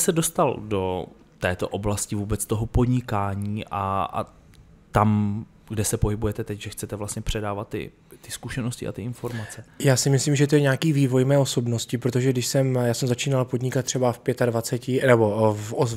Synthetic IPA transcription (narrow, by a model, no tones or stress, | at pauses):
sɛdo̞st̪aldo̞ | t̪ɛːt̪o̞̰ʔoblascɪvuːbɛt͡st̪o̞ɦopo̞dɲɪkaːɲiːʔa̰a̰ | t̪am | ɡdɛsɛpo̞ɦɪbujɛt̪ɛt̪ɛcʒɛxt͡sɛt̪ɛvlast̪ɲɛpr̝̥ɛdaːvat̪ːɪ̰ | t̪ɪskuʃɛnoscɪ̰ʔa̰t̪ɪʔɪnfo̞ɾmat͡sɛjaːsɪmɪslimʒɛt̪ojɛɲaːkiːviːvo̞jmɛːo̞so̞bnoscɪpɾot̪̬o̞ʒɛɡdɪʃsɛmjaːsɛmzat͡ʃiːnalpo̞dɲɪkat̪̚ːr̥ɛbafpjɛt̪advat͡sɛcɪnɛbo̞foz